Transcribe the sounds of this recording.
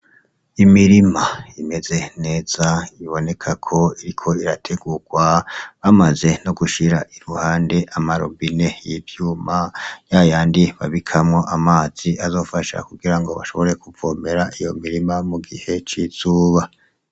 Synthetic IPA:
imiɾimaime̞ze̞ne̞ːz̥aiβo̞ne̞kʰakʰo̞iɾikʰo̞iɾatʰe̞ɡuɡ̥waβamaze̞noɡuʃiɾaʔiɾuhaːnde̞ʔamaɾo̰mbine̞jivjuːmajajaːndiβaβikʰamŋo̞ʔamaːz̥iʔazo̞ːfaʃa̰kuɡiɾaŋɡo̞βa̰ʃo̞βo̞ɾe̞kuvoːme̞ɾaʔijo̞miɾimamuɡihe̞t͡ʃiz̥uːβa

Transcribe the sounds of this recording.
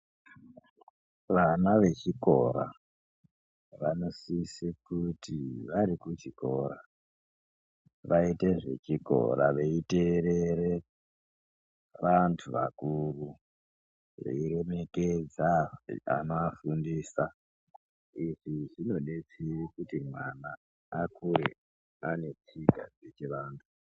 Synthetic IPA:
ʋanaʋe̞t͡ʃiko̞̰ɾa̰ | ʋano̞sisekutiʋaɾikut͡ʃiko̞̰ːɾa | ʋaite̞ʐe̞̰t͡ʃiko̞̰ɾa̰ʋe̞iteɾeɾe̞ | ʋantʰuʋa̰kuru | ʋḛiɾe̞me̞ked͡zaa̰noafundiːsa | iʐiʐino̞ɗe̞t͡sirikutimwanaː | kuɾḛ | ane̞t͡siɡʱa̰d͡zet͡ʃeʋaːntʰu̥

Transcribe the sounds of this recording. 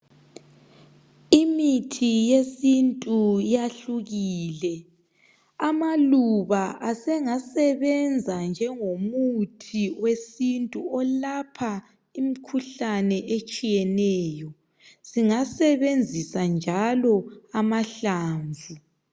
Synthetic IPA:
imitʰijesintʼujaɬuɣiːlɛ | amaluβaʔasɛŋasɛβɛnd͡zʱand͡ʒʱɛŋomutʰiwesintʼuɔlapʰa | imikʰuɬanɛʔet͡ʃʼijɛnɛːjɔ | ziŋasɛβend͡zʱisand͡ʒʱalɔamaɬaːɱvʱu

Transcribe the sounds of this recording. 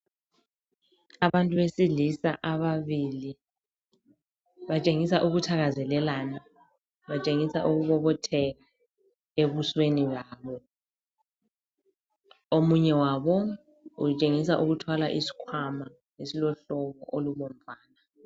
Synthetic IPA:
aβantʼuβesilisa̰ʔaβaβili | βat͡ʃʼeŋisaʔuɣutʰaɣazɛlɛlaːna | βat͡ʃʼeŋisa̰ʔuɣuβɔβɔtʰɛɣa | eβusweniβaːβɔ | omuɲɛwaβɔ | ut͡ʃʼeŋisaʔuɣutʰwalaʔisi̥kʰwama | ŋesilɔɬɔkɔ̰ʔoluβɔm̩vaːna

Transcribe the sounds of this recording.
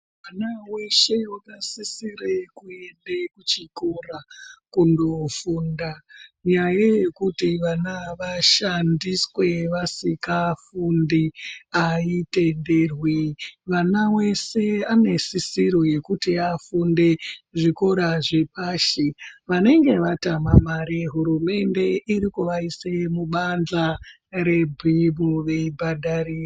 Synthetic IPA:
ʋanawe̞ʃe̞akasisiɾekue̞ndekut͡ʃiko̞rakundo̞fundaɲajaje̞kutiʋanaʋaʃandiswe̞ʋasikafundiaite̞nde̞rwiʋanawe̞se̞ane̞sisiɾoje̞kutiafunde̞ʐiko̞ɾaʐepaʃiʋane̞ŋɡe̞ʋatamamaɾeɦuɾume̞nde̞iɾikuʋaisemuɓand͡ɮa | ɾe̞bʱibuʋe̞ibʱadariːr

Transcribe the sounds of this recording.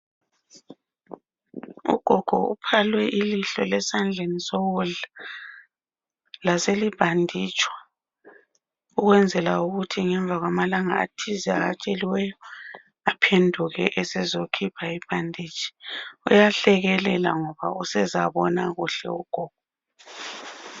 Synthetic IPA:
ṵɡ̥ʱɔɡ̥ʱɔ̰ṵpʰalwɛʔiliɬɔlɛsand͡ɮʱenisɔɣuɮa | laselib̥ʱandʱit͡ʃʼwa | uɣwɛnd͡zʱɛlauɣutʰiŋɛɱbvʱaɣwamalaŋaa̰tʰizɛa̰ɣat͡ʃʼeliwɛjɔ | apʰendʱuɣɛʔɛsɛzokʰipʰaib̥ʱandʱit͡ʃʼi̥ujaɬɛɣɛlɛla̰ŋɔβausɛzaβɔnaɣuɬɛ̰uɡ̥ʱɔːɡ̥ʱɔ

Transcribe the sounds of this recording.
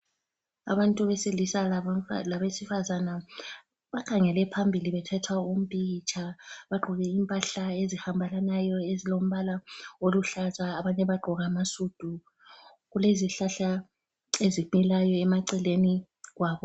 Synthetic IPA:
a̰βantʼuβɛselisalaβesifazana | βakʰaŋɛlɛpʰambʱiliβɛtʰatʰwaum̩pʼit͡ʃʰʼaβaɡ͡ǃʱɔɣɛimpʼaɬaezihambʱalanajɔezilom̩βalaoluɬazaːβaɲɛβaɡ͡ǃʱɔɣamasud̥ʱu | ɣuleziɬaɬa | ezimilajɔɛmaǀɛleni | ɣwaːβɔ

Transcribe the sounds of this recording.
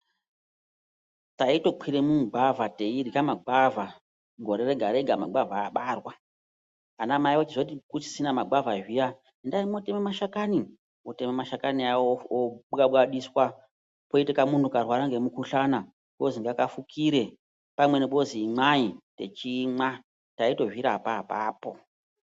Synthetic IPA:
taito̞k͡pʰiɾemuɡ͡bavʱateiɾikamaɡ͡bava | ŋɡo̞ɾeɾeɡʱaɾeɡʱama̰ɡ͡bavaːɓaːrwa | anamaiwot͡ʃiʐotikut͡ʃi̥sinamaɡ͡bavaʒija | ndarimotememaʃakani | otememaʃakaniawooɓaɓwaɗiswa | poitikamuntukarwaɾaŋɡe̞mukuɬana | ɓoziŋɡakafukʰiɾe̞ | pamwe̞neɓoziːmaite̞̰t͡ʃima | taito̞ʒiɾapaːpaːpo̞

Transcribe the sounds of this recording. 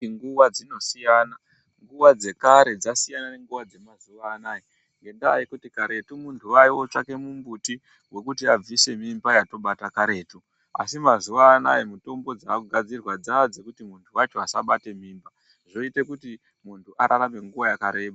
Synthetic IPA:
ŋɡuwad͡zino̞sijaːna | ŋɡuʋad͡ze̞kaɾe̞d͡zasijanane̞ŋɡuʋad͡ze̞mazuʋaːnaːji | ŋɡe̞ndaːikutikaɾe̞tumuntʰuwaiwot͡ʃake̞mumbuti | we̞kutiab͡vise̞mimbajato̞ɓatakaɾe̞ːtu | a̰simazuʋaːna̰jimuto̞mbo̞d͡zaːkuɡʱad͡zirwad͡zaad͡ze̞kutimuntʰuwat͡ʃo̞asaɓate̞m̤iːmba | ʐo̞ite̞kuti | muntʰuʔaɾʔaɾame̞ŋɡuʋajakaɾe̞ːɓa

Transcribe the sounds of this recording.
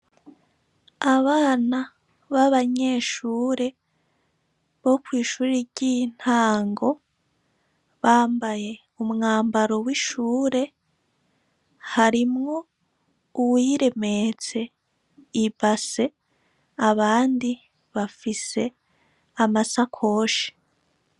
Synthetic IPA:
aβaːna | βaβaɲe̞ːʃuːɾe̞ | βo̞kwiːʃuːɾiɟin̥aːŋɡo̞ | βaːmbaje̞ | umŋaːmbaɾo̞wiʃuːɾe̞ | haɾimŋo̞ | uwiɾe̞met͡se̞ | ibase̞ | aβaːndi | βafise̞ | amasakʰo̞ːʃi̥

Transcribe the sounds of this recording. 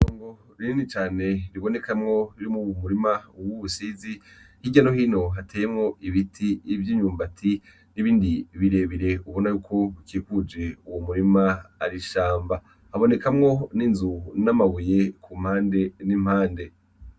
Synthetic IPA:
oːŋɡo | ɾiinit͡ʃaːne̞ɾiβo̞ne̞kamŋo̞ɾiɾimuwmuɾimauwuβusizihiɟano̞hiːno̞ɦatʰeːjemŋo̞iβitʰiːvjiːɲuːmbatʰi | niβiːndiβiɾe̞βiɾe̞uβo̞najuːkʰo̞ukikud͡ʒe̞uwomuɾimaːɾiʃaːmba | haβo̞ne̞kʰamŋo̞ninzunamaβuje̞kʰum̥haːnde̞nim̥haːnde̞

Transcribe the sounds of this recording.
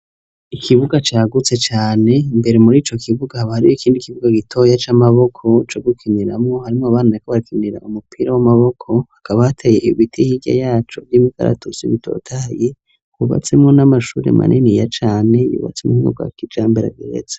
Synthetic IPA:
ikʰiβuɡat͡ʃaːɡut͡se̞t͡ʃaːne̞mbe̞ɾe̞muɾiːt͡ʃo̞kʰiβuɡahaβahaɾijoikʰiːndikiβuɡaɡitʰo̞jat͡ʃamaβo̞kʰo̞t͡ʃoɡukʰiniɾamŋo̞haɾimŋoaβaːnaekaβaɾikʰiniɾa̰ʔumupʰiɾawamaβo̞kʰo̞hakʰaβahatʰajeʔiβitʰihiɟa̰jaːt͡ʃovjiːmika̰ɾa̰tusḭβitʰo̞̰ːtʰaje | kuβa̰t͡se̞mŋo̞namaʃuːɾe̞̰ma̰nʔinijat͡ʃaːne̞jṵβa̰t͡semohimṵɡa̰kid͡ʒaːmbeɾa̰ɡḛɾḛzḁ

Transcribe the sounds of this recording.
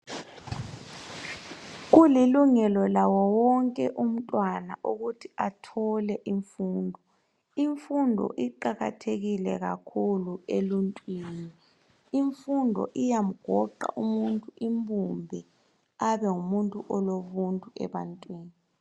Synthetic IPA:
ɣuliluŋɛlɔlawɔwɔŋkʼɛʔum̩tʼwanaʔuɣutʰiatʰɔlɛʔiɱfuːndʱɔ | iɱfundʱɔ̰ʔiǃaɣa̰tʰeɣilɛɣakʰulueluntʼwiːni | iɱfundʱɔ̰ʔijam̩ɡ̥ʱɔǃa̰ʔumuntʼuʔimbʱumbʱɛ | aβɛŋumuntʼuʔɔloβuntʼuɛ̰βantʼwiːni

